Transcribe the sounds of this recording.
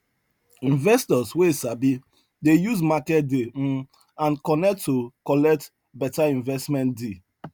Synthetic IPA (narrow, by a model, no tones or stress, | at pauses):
ĩnvɛstɔswesabi | dejuzmakɛt̚de | ãnkɔnɛk̚tʰːokɔlɛk̚t | bɛtaĩnvɛstmɛ̃ndi